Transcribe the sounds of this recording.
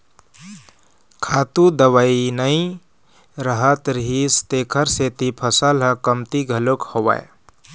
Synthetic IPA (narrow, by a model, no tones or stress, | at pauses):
kʰaːt̪ud̪əwainəĩ | ɾəɦət̪ɾɦist̪eːkʰəɾset̪ipʰəsəlɦə̃kəmt̪iɡʱəlokhoʋa̰e